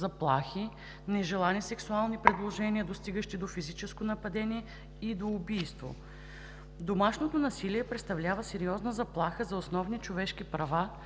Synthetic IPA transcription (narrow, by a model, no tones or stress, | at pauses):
zɐplˠaxi | nɛʒɛlˠanisɛksualˠnipɾɛd̪lˠoʒɛniəd̪ost̪iɡəʃt̪id̪ofizit͡ʃɛskonɐpɐd̪ɛniɛ | id̪oːbijst̪vo̰ | d̪omaʃnot̪onɐsiliɛpɾɛt̪st̪ɐvlʲavəsɛɾiɔznəzɐplˠaxəzɐosnɔvnit͡ʃovɛʃkipɾɐva